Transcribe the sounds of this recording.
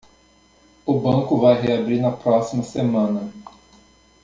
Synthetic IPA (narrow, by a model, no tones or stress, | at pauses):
ʊbɐ̃ŋkʊvajɦeabɾiɾnɐpɾɔsimɐsemɐ̃nɐ